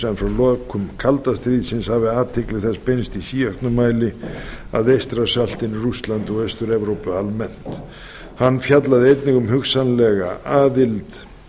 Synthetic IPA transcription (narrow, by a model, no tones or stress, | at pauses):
ɛmfɾawlɔːkʰʏmkʰalt̪ast̪ɾiːðsɪnshavɪaːt̪ʰɪklɪɣθɛspejnst̪isiːœhkt̪nʏmaːjlɪa̰ðejst̪ɾasal̥t̪ɪnrʏst̪lant̪ɔɣœɥst̪ʏɾɛvɾowpʏalmɛn̥t̪ | hanːfjat̪laðɪejt̪nɪŋɣʏmɦʏksanlɛɣa̰aːðɪlt̪